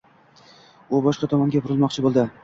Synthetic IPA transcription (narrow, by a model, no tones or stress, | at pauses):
ʊbɒʃqɑt̪ʰɒmɒŋɡʲabʰʊɾɪlˠmɒqt͡ʃʰɪbolˠd̪ɪ